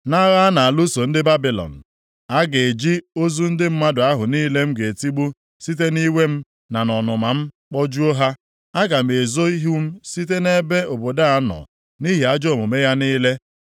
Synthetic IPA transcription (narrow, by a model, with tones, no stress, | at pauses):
na˦ɣa˦na˨a˨lu˦so˨n̩˦dɪ˦ba˦bi˨lɔ̰˨n̩˨ | a˦ɡe˨d͡ʒi˦o˦zu˦n̩˦dɪ˦m̩˦ma˦dʊ˨a˦ɦʊ˨niː˦le˦m̩˦ɡe˨ti˦ɡ͡bu˦ | si˦t̬e˦ni˦we˦m̩˦ | na˨nɔ˨nʊ˨ma˨m̩˦ | k͡pɔ˦d͡ʒu˦o˦ɦa˦ | a˦ɡa˨m̩˨e˨zo˦i˦ɦu˦m̩˦si˦t̬e˦ne˦be˦o˨bo˨da˦a˦nɔ̰˨ | ni˦ɦi˨a˦d͡ʒo˦˨mʊ˨me˦ja˦niː˦le˦